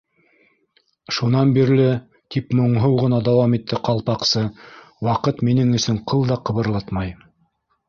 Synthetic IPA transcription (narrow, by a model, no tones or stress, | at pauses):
ʃunɑnbiɾlɘ | t̪ipmŏɴɦɤwʁɤ̆nɑd̪ɑwɑmit̪ʰːɘqɑlˠpɑqsɤ | wɑqɤt̪minɘŋɵ̆sɵɴqʰɤlˠd̪ɑqɤ̆βɤ̆ɾlˠɑt̪mɑj